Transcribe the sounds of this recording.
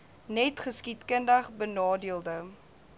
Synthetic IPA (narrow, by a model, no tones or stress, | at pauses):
nɛtχəskitkəndɐχbənɑːdiəlˠdə